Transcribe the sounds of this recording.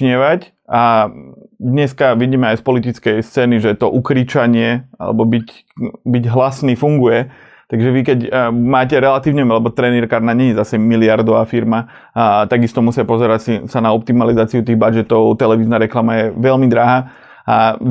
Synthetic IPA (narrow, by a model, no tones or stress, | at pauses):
ɲɪɛʋac | a | d̪ɲɛskaʋiɟiːmɛajspɔlit̪it͡skɛjst͡sɛːniʒɛt̪ɔʔukɾiːt͡ʃaɲɪɛa̰lɛ̰bɔbic | biɟɦlasniːfuŋɡujɛ | t̪aɡʒɛʋikɛcmaːcɛɾɛlat̪iːʊɲɛmalɛbɔt̪ɾɛniɾkaɾnaɲɛɲɛzasɛmilɪaɾd̪ɔʋaːfiɾma | t̪aɡist̪ɔmusɪapɔzɛɾacsisanaɔp̚t̪imalizaːt͡siut̪iːɣbad͡ʒɛt̪ɔʊt̪ɛlɛʋiːznaɾɛklamajɛʋɛʎmid̪ɾaɦaː | a